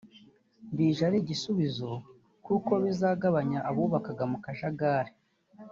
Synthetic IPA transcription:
mbiːʒaɾiɟisuβizo̞ | kuːko̞βizaːɡaβaɲaʔːβuːβakaɡamukaʃaɡaɾe

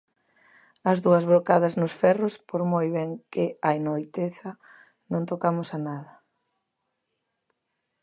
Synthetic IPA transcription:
ɐzðuɐzβɾokaðɐznʊsfɛrʊspoɾmojβɛŋkɪajnoojt̪eθɐ | nõŋt̪okamʊsanaðɐ

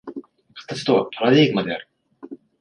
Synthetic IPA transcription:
kʰḁt̪ːat͡ɕi̥t̪oβapʰaɾad̪eːɡɯ̟mad̪e̞aɾɯ̟

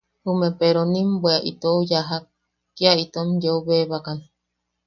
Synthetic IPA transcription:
humẽpeɾonĩmbweaʔḭt̪oujaɦa | kːiait̪omjouβeβakani

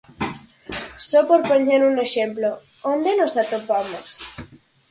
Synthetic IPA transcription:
sɔpoɾpoɲeɾuŋeʃemplo | ond̪enosat̪opamos

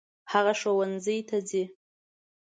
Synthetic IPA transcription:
haʁaʂawanzɨjtʰad͡zi

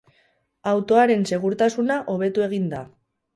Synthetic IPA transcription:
awt̪o̞aɾe̞nse̞ɣ̞uɾt̪asunaʔo̞β̞e̞t̪ue̞ɣ̞ind̪a

